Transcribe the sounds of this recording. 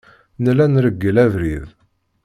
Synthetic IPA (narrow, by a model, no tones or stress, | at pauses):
nlænɾəɡːəlævɾið